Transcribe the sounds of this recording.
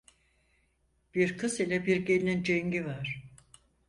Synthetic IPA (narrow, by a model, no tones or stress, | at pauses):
b̥iɾkʰɯsilʲɛbiɾɟelʲinind͡ʒeŋɟivaɾ̥